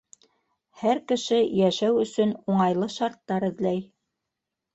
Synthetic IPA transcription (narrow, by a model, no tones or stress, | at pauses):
hæɾkɘ̆ʃɘjæʃæwɵ̆sɵnuɴɑjlˠɤʃɑɾt̪ːɑɾɘ̆ðlæj